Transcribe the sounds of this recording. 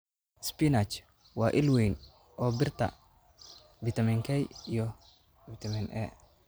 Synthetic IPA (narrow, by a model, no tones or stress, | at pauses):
spinat͡ʃ | wɑːʔɪlwɛjn | ʔɔːbɪrt̪ʰɐ̰ | vɪt̪ʰɐmiŋkʰɛjijɔ | vɪt̪ʰɐmɪnʔɛ̰